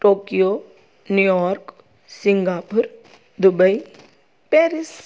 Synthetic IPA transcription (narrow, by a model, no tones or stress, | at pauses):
ʈoːkijo | nujɔːɾk | siŋɡaːpʊɾ | d̪ubəi | peːɾis